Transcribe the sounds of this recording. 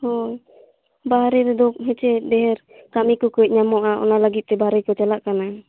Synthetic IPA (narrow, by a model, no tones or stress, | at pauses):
hɔj | baɦaɾɛɾɛd̪ɔk̚ɦɛt͡ʃɛdɛɦɛɾ | kamikɔkɔc̚ˀɲamɔʔaʔɔ̰naləɡit̪̚t̪ɛbaɾɛjkɔt͡ʃalaʔkana